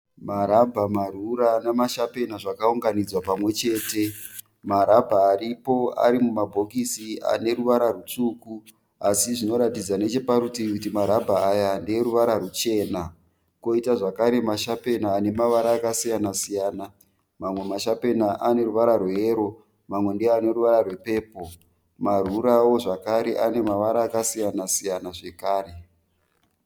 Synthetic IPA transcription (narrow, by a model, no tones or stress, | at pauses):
maɾabʱamaruɾanamaʃape̞naʐakauŋɡanid͡zwapamwe̞t͡ʃe̞ːte̞ | maɾabʱaːripo̞a̰ɾimumabʱo̞kisia̰ne̞ɾuʋaɾarut͡ʂuːku | asiʐino̞ɾatid͡zane̞t͡ʃe̞paɾutikutimaɾabʱaːjandeɾuʋaɾaɾut͡ʃe̞ːna | ko̞itaʐakaɾe̞maʃape̞naːne̞maʋaɾaːkasijanasijaːna | mamwe̞maʃape̞naʔane̞ɾuʋaɾarweːɾo̞ | mamwe̞ndijane̞ɾuʋaɾarwe̞pe̞ːpo̞ | maruɾawo̞ʐakaɾe̞ʔane̞maʋaɾaːkasijanasijanaʐe̞kaːre̞